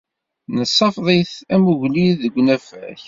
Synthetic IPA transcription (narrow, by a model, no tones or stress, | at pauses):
nəsˤːɑfðˤeθæmuʝliðəɡʷːnæfæ̰ç